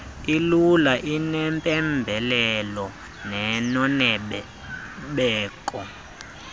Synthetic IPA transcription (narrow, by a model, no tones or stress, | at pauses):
ilulaʔinɛmpʼɛmbʱɛlɛlɔ | nɛnɔnɛɓ | ɓɛːkʼɔ